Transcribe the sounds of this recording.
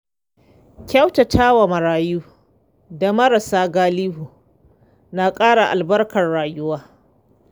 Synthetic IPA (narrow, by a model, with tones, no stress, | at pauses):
kʲa˦wta˨tʰaː˦wa˨mɐ˨ɾaː˨juː˦ | da˨mɐ˦ɾa˨saː˦ɡaː˦liː˦ɦuː˨ | na˨kʼaː˦ɽa˨ʔa˨lbɐ˦rkɐ˨rɽaː˨jʊ˦waː˦